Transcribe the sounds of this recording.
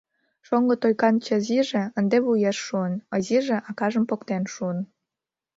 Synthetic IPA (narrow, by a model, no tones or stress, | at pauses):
ʃoŋɡə̆t̪ojkɑnt͡ɕə̆ziʒĕənd̪eβujeʃːuənəziʒĕʔɑkɑʒəmpokt̪enʃuən